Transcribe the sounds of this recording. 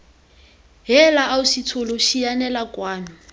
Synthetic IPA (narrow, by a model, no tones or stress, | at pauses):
ɦɛlaausitʰoloʃianɛlakwaːmi